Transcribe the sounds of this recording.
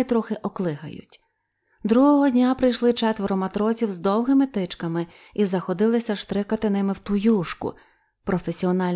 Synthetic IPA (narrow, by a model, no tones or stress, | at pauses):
t̪ɾɔxɪʔɔklˠɪɦɐ̰jʊ̰tʲ | d̪ɾuɦɔɦɔdʲnʲapɾɪjʃlˠɪt͡ʃɛt̪ʋɔɾɔmɐt̪ɾɔsʲiwzd̪ɔwɦɪmɪt̪ɪt͡ʃkɐmɪ | izɐxɔd̪ɪlˠɪsʲɐʃt̪ɾɪkɐt̪ɪnɪmɪwt̪ʊjuʃkʊ̰ | pɾɔfesʲiɔnɑlʲ